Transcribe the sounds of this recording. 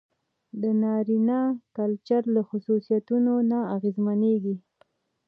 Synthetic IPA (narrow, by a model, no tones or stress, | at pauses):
d̪ənɑɾinɑkalt͡ʃaɾlaxʊsusijat̪unonaaɣezmaneɡi